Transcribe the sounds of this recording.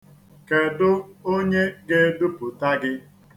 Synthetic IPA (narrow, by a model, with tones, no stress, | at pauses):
ke˨dʊ˦o˦ɲe˦ɡe˦dʊ˦pʊ˨ta˦ɡɪ˦